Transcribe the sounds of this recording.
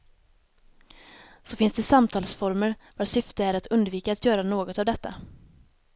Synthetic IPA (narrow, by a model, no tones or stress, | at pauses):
sɔfɪnsd̪ɛsamt̪ʰɑːlsfɔɾməɾvasʏft̪əæɾat̪ʰɵnd̪viːkaːt̪jœːɾanoːɡɔt̪avd̪ɛt̪ʰːa̰